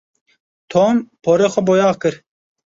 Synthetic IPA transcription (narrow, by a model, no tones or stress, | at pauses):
t̪ʰoːmpʰoːɾeːxʷɛbojɑːkɨɾ